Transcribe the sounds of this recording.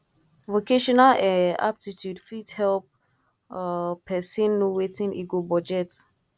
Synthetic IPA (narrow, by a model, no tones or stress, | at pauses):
vokeʃɔnalɛ̃a̰b̚titʰjudfithɛlp̚ | pʰːɛsĩnːowetĩŋʔiɡobɔd͡ʒɛt